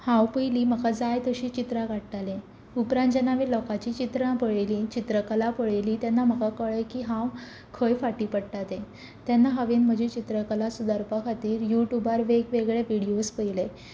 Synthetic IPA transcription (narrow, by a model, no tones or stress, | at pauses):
hãwpəjliːməkʰad͡zajt̪əɕiːt͡ɕit̪ɾakaɽʈalẽ | upɾãnd͡ʑanaʋiːlɔkat͡ɕiːt͡ɕit̪ɾəãpəɭelit͡ɕit̪ɾəkəlapəɭeliːt̪janːam̤əkakəɭəjkiːɦãw | kʰəjfaʈiːpəɽʈ̪at̪ẽ | t̪janːaɦəʋiːnm̤əd͡ʑʱit͡ɕit̪ɾəkəlasud̪əɾpakʰat̪iːɾjuʈjubaɾʋeɡʋeɡɭeʋiɽiospəjle